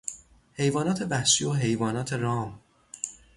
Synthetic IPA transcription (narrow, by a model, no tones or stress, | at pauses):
he̞jvɒːnɒːt̪ʰe̞bæhʃiːoɦe̞jvɒːnɒːt̪ʰe̞ɾɒːm